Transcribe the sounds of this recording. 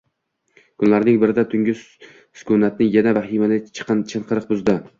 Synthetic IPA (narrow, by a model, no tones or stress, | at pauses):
kʰʊnlaɾnɪŋbɪɾɪd̪at̪ʰʊŋʲɪs | sʊ̥kʰʊnat̪̚nɪjanavaɦimanɪt͡ʃʰɨ̥qʰnt͡ʃʰɨɴqʰɨɾɨq̚bʊzd̪ɪ